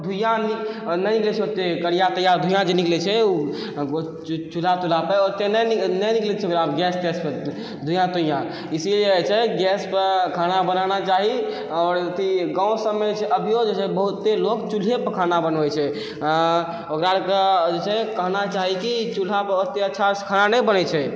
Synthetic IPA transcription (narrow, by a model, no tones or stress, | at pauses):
d̪ʱujãninɛniklɛt͡ʃʰɛot̪ːekəɽijat̪əjaɾd̪ʱujãd͡ʒeniklɛt͡ʃʰɛu | t͡ʃul̤at̪ul̤apəot̪ːenəninɛniklɛt͡ʃʰɛokɾapɡɛst̪espə | d̪ʱujãt̪ujã | isileət͡ʃʰɛɡɛspəɾkʰanabənanat͡ʃaɦi | ɔːɾət̪ʰiɡãw̃səmːet͡ʃʰɛʔəbʱijod͡ʒet͡ʃʰɛbəɦut̪ːelokt͡ʃul̤epəkʰanabənʋɛt͡ʃʰɛ | ã | okɾakd͡ʒet͡ʃʰɛkəɦnat͡ʃaɦikit͡ʃul̤apəot̪ːeətːʃʰaskʰananɛbənɛt͡ʃʰɛ